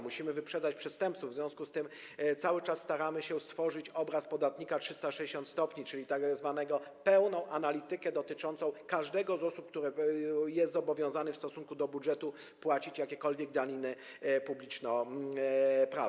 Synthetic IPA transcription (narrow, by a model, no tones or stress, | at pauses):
muɕimɘvɘpʂɛd̪at͡ɕpʂɛst̪ɛmp̚t̪suvzvʲjɔ̃w̃skust̪ɘm | t̪sawɘt͡ʂasːt̪aɾamɘɕɛst̪fɔʐɘt͡ɕɔbɾaspɔd̪at̪ɲikatʂɘst̪aʂɛd͡ʑeɕɔ̃nt̪st̪ɔpɲit͡ʂɘlʲit̪azvanɛɡɔpɛwnɔ̃w̃ʔanalʲit̪ɘkɛd̪ɔt̪ɘt͡ʂɔnt̪sɔ̃w̃kaʐd̪ɛɡɔzɔsup̚k̚t̪uɾɘjɛst̪zɔbɔvʲjɔ̃w̃zanɘfst̪ɔsuŋkud̪ɔbudʐɛt̪u | pwat͡ɕit͡ɕjakʲɛkɔlvʲjɛɡ̚d̪alʲinɘ | publʲit͡ʂnɔ | pɾa̰